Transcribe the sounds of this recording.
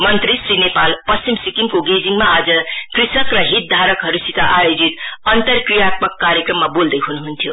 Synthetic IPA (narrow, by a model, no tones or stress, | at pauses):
mʌnt̪ɾisrinepalpʌst͡ɕimsikimkoɡed͡ziŋɡmaːd͡zʌkrisʌkrʌɦit̪̚d̪ʱaɾʌkɦʌɾusit̪aʔajod͡zit̪ʌnt̪ʌrkrijat̪̚mʌkːaɾjekrʌmːabold̪ʌjɦunuɦunt̪ʰjo